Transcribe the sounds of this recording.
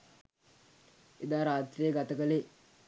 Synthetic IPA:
ed̪aːɾaːt̪ɾejəɡat̪əkəle

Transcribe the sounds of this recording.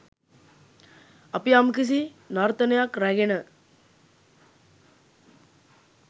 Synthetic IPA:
apiamkis̬inaɾt̪ənəjakɾæɡenə

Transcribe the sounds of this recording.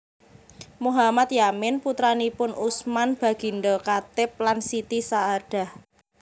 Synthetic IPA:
muɦamat̪jamɪnput̪ɾanipʊnusmanb̥ä̤ɡ̥i̤nɖɔkat̪ɪp̚lansit̪isaːɖ̥a̤h

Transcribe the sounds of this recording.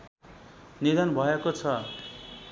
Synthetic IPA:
nid̪ʌnbʱʌekot͡sʰʌ

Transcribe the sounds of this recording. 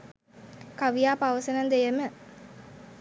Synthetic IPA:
kaʋijaːpaʋəsənənd̪ejəmə

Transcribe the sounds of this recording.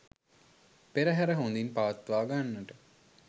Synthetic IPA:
peɾəɦæɾəɦond̪inpaʋɐt̪ːʋaːɡanːəʈə

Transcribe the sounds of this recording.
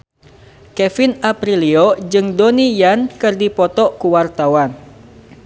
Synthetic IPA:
kɛfinapɾiliod͡ʒɨŋdonijankɨrdipɔt̪ɔkuwart̪awan

